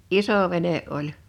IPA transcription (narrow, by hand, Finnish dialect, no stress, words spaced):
isoˑ ʋene ʔolʲ